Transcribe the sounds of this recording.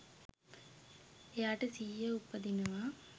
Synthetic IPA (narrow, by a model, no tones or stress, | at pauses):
ejaːʈəsiːjəupːɐd̪inuʋa